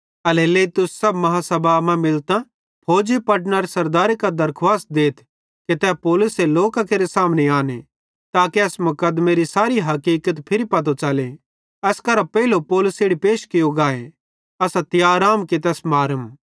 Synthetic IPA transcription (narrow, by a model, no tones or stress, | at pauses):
ɐleleːt̪ʊsːɐbmɐɦasɐbʱamãmɪlt̪ã | pʰoːd͡ʒipɐʈnaɾesɐɾd̪aːɾekad̪ɐɾkʰwaːst̪̚d̪eːt̪ʰ | ket̪ɛːpoːlʊseloːkakeːɾesaːmneaːnḛ | t̪aːkeɐsmʊkəd̪meɾisaːɾiɦɐkiːkət̪pʰɪɾipɐt̪̬ot͡ʃɐle | ɐskɐɾapɛilopoːlʊseːɽipeːʃkɪjoɡaːe | ɐsat̪ɪjaːɾaːmket̪ɛːsmaːɾəm